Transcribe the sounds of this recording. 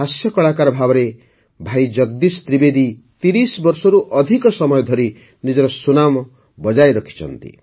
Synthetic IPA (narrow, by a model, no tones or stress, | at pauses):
ɦasjɔkɔɭakaɾɔbʱabɔɾe | bʱajd͡ʒʌɡ̚d̪ist̪ɾibed̪ʱit̪iɾisbɔɾsɔɾuʔɔd̪ʱikɔsɔmɔjɔd̪ʱɔɾi | nid͡ʒɔɾɔsunam | bɔd͡ʒajɾʌkʰi̥t͡ʃʰʌ̰nt̪ḭ